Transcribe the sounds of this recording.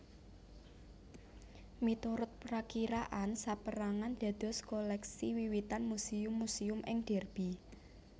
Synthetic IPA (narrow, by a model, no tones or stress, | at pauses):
mit̪uɾʊt̪̚pɾakiɾaʔansapəɾaŋand̪̥a̤d̪̥ɔ̤skolɛksiwiwit̪anmusiʊmːusiʊmʔɪŋɖ̪̥ɛrb̥i